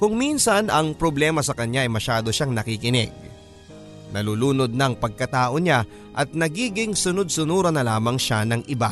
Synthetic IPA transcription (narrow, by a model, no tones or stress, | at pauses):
kʊŋminsɐnɐŋpɾoblɛːmɐsɐkɐɲjaʔɐjmɐʃaːd̪o̞ʃaŋnɐkɪkɪnɛ̰ɡ̚ | nɐluːluːno̞d̪̚nɐɐŋpɐɡ̚kɐt̪aːʔo̞ɲa | ʔɐt̪̚nɐɡiːɡɪŋsʊno̞d̪̚sʊnuːɾɐnɐlaːmɐŋʃanɐŋʔɪba